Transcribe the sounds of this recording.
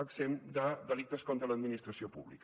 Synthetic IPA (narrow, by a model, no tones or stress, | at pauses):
əksemd̪əd̪əlik̚t̪əskont̪ɾələd̪minist̪ɾəsiopṵβlḭk